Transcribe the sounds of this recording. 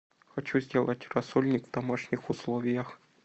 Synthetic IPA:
xɐt͡ɕuzʲdʲelˠɐtʲrɐsɔlʲnʲikvd̪amaʂnʲixʊslˠɔvʲijɐx

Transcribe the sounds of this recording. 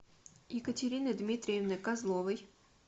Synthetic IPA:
ikɐtʲeɾʲinɪd̪mʲit̪ɾʲijɛwnɪkɑzlˠɔʋɪj

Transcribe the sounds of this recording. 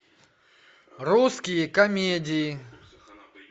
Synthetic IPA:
ruskʲɪjɪkɐmʲedʲɪjɪ

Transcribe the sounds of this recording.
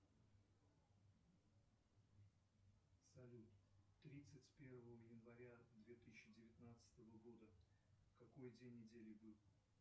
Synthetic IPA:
sɐlʲut̪t̪ːɾʲit̪sɨtʲpʲe̞rvəvəjɪnvɐɾʲad̪vʲet̪ɨsɕːɪdʲɪvʲɪt̪nat̪sɨ̥t̪əvəɡo̞d̪ə | kɐko̞jdʲenʲːɪdʲelʲɪbɨlˠ

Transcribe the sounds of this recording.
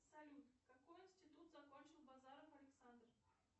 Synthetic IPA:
sɐlʲut̪kɐkojɪnsʲtʲɪt̪ut̪zɐkonʲt͡ɕɪlˠbazaɾəfɐlʲɪksand̪r

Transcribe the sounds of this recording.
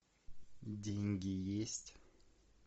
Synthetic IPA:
d̪iŋɡijest̪

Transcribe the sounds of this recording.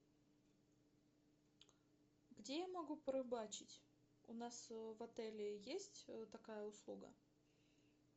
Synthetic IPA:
ɡdʲejamɐɡupɾɐbat͡ɕɪtʲ | ʊnasvɐt̪ɛlʲɪjesʲtʲt̪ɐkajəʊslˠuɡə̰

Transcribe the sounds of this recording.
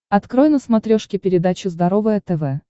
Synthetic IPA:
ɐt̪kɾojnəsmɐt̪ɾʲoʂkʲɪpʲɪɾʲɪd̪at͡ɕʊzd̪ɐɾovəjət̪ɛvɛ

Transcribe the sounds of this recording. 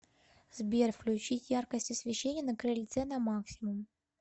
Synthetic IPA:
zbʲerʲfklʲʉt͡ɕitʲjarkəsʲtʲɪsvʲɪɕːenʲɪjənəkɾɨlʲt̪sɛnɐmaksʲɪmʊm

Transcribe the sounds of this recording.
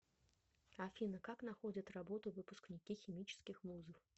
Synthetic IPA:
afʲinɐkaknaxɔd͡zʲɐt͡s̪ʲrabɔt̪uvɨpusknʲikʲixʲimʲit͡ʃskʲixmuzɨw

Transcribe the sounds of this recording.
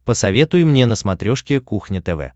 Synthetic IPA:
pəsɐvʲe̞t̪ʊjɪmnʲenəsmɐt̪ɾʲoʂkʲɪkuxnʲɪt̪ɛvɛ̰

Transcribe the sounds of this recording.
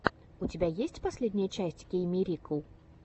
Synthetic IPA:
ut͡sʲibʲajesʲt͡sʲpasʲlʲed̪ʲnʲɐjət͡ʃasʲt͡sʲkʲejmʲiɾʲikəw

